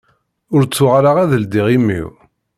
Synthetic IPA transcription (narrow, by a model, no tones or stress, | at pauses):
ʊɾt͡sːʊʁaɾaʁæðəld̪iʁimːḭw